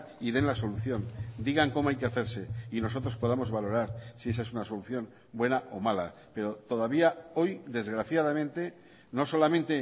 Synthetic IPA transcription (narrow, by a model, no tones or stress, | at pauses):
iðe̞nlaso̞luθjo̞nd̪iɣ̞aŋkomoajkeaθeɾse̞ino̞so̞t̪ɾo̞spo̞ð̞amo̞zβalo̞ɾaɾsie̞s̬aesunaso̞luθjo̞n | bwe̞naʔo̞mala̰ | pe̞ɾo̞t̪o̞ð̞aβ̞iao̞jd̪e̞zɣɾaθjað̞amẽ̞nt̪e̞ | no̞so̞lamẽnt̪e